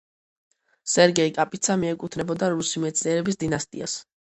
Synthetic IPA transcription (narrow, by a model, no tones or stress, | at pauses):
sɛɾɡɛikʼapʼit̪sʰamiɛkʼut̪ʰnɛbɔd̪aɾusimɛt̪sʰliɛɾɛbisd̪inast̪ʼḭas